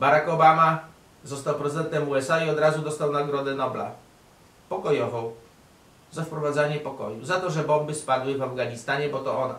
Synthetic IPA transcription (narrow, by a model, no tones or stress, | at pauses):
baɾakɔbama | zɔst̪awpɾɛzɘd̪ɛnt̪ɛmuɛsaiɔd̪ɾazud̪ɔst̪awnaɡɾɔd̪ɛnɔbla̰ | pɔkɔjɔvɔ̃w | zafpɾɔvad̪zaɲɛpɔkɔ̰juzat̪ɔʐɛbɔmbɘspad̪wɘvavɡaɲist̪aɲɛbɔt̪ɔʔɔna̰